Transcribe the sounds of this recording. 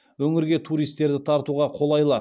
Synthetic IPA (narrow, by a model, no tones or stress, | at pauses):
wɵŋɪɾɡʲe̞t̪ʰuɾijst̪ːe̞ɾd̪ɪt̪ʰɑɾt̪uʁɑqʰo̞lˠɑjlˠɑ